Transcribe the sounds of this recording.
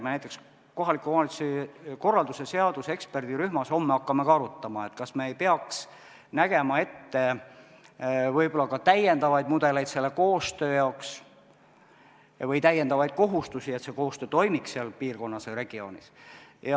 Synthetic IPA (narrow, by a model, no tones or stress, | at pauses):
menæjt̪ːˑe̞ks | ko̞ɦɑlikːumɑːnit̪siko̞rːɑld̪use̞se̞ɑd̪̥use̞kspe̞rd̪̥iɾyhmɑso̞mːeɑkːɑme̞kɑɑɾut̪ːɑmɑe̞t̪ˑkɑsme̞ːjpeɑks | næɡ̥e̞mɑe̞t̪ːe̞ | vɤjbo̞lːɑkɑt̪æje̞nd̪ɑvɑjd̪̥̚mud̪̥e̞le̞jd̪̥se̞lːe̞ko̞ːst̪ø̞ːjɑoks | vɤjt̪æjːe̞nd̪ɑvɑjd̪̥̚ko̞ɦust̪usie̞t̪se̞ko̞ːst̪øːt̪o̞jmiksseɑlpiːrko̞nːɑsere̞ɡ̥io̞ːnḭsjɑ